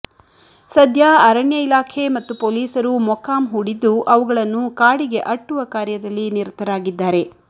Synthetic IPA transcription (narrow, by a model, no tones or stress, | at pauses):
sɐd̪ʱjɐɐɾɐɳjɐilaːkʰe̞mɐt̪ːupoːliːsɐɾumɔkaːmɦuɽid̪ːuʔɐʋuɡɐɭɐnːukaːɽiɡe̞ʔɐʈːuʋɐkaːɾjɐd̪ɐlːiniɾt̪ʰːɐɾaːɡid̪ːaːɾe̞